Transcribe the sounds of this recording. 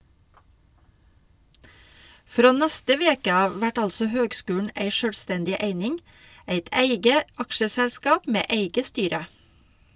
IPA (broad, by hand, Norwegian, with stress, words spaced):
ˈfɾoː ˈnæstə ˈʋeːkə ˈɑːʋ ˈʋæʈ ˈɑlsɔ ˈhøːɡˌskʉːɳ̩ ˈeɪ ˈʃøːlˌstɛndɪ ˈeɪnɪŋ ˈeɪt ˈæɪɡə ˈɑkʃəsɛlˌskɑːp ˈmeː ˈeɪɡə ˈstyːɾə